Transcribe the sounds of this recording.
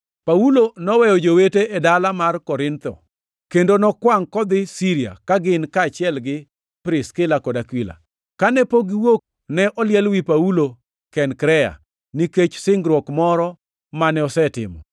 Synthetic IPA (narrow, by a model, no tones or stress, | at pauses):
paulonɔwɛjɔd͡ʒoweteʔɛdalamarkɔɾɪnt̪ɔ̰ | kendonɔkwaŋkɔd̪ɪsiɾia̰kaɡɪnkaːt͡ʃɪɛlɡɪ | pɾɪskɪlakɔdakwila̰ | kanɛpoɡiwok̚ | nɛʔɔljɛlwipaulo | kɛnkɾɛja̰ | niket͡ʃsɪŋɡɾwɔkmɔɾɔ | manɛɔsɛtɪ̰mɔ̰